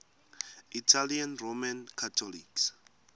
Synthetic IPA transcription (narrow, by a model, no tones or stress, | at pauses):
itʰalianromankʰatʰɔliks